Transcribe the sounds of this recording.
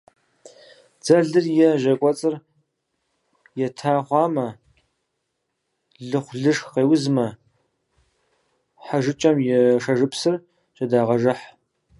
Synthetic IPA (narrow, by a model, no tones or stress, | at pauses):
d͡z̥ɐɮɨrjɛʒɐkʷʼɔt͡sʼɨr | jɛtʰaːχʷɑːmɐ | ɮɨχʷɮɨʂxqeːwzmɐ | ħaʒɨt͡ʃʼɐmjɛʂɐʒɨpsɨr | ʒ̥ɐdaːʁɐʒɨħ